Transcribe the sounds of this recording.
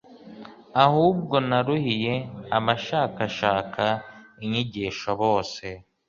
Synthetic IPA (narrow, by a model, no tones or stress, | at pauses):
ahuːb̚ɡo̞naɾuhije̞amaʃaːkaʃaːkʰaiɲiɟiːʃoβo̞ːse̞